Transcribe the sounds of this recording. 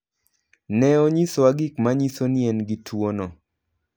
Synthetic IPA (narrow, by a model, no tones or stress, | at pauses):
nɛoɲisɔaɡɪkmaɲisoniɛnɡɪtʰwonɔ